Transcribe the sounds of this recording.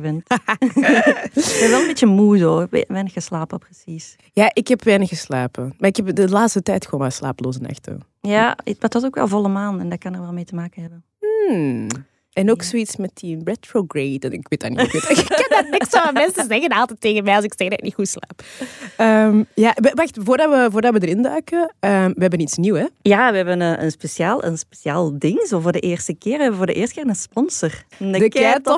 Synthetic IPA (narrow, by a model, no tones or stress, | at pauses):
ʋɪnt | ɛnʋɛlˠənbeːt͡ʃəmuzo̰ːʋɛnəxəslaːpəprəsis | jaːʔɪkɛpʋɛnəxəslaːpəmaɪkɛpdəlaːtstətɛjtxəwoːnmasla̰ːpəloːzəna̰xtə̰ | jatʋɑzoːkʋɛ̰lˠvɔlˠəmaːntɛndɑt̚kɑnəɹʋɛlˠmeːtəmaːkənɦɛbən̩ | ɛnoːksoitsmɛtibɹɛtɹoɡrejtɛnɪkʋeːtdaniketkɑndanɪksomɛnsəzɛɣənɑlˠtɛtːeːɣənmɛɑls̬ɪksɛɣdaɪtnihusla̰ːpəmjaːʔʋəʋaxtvoːrdɑwʋəvʊːrdɑʋədərɪndœɥkəəmʋəɦɛbənitsnuwɛjaːʋəɛbənəʔənspesjaːlˠʔə̰nspesjaːlˠdɪŋzovoːrdəʔeːrstəkɪːrʋəɦɛbəvʊːrdəʔɪːrstəkɪːənənspɔnsərdt